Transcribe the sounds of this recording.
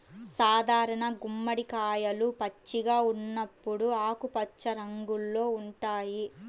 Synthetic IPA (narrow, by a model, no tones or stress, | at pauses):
saːd̪ʱaːɾɐɳɐɡumːɐɽikaːjɐlupɐt͡ʃːiɡaːunːɐpːuɽuaːkupɐt͡ʃːɐɾɐŋɡulːo̞ːuɳʈaːji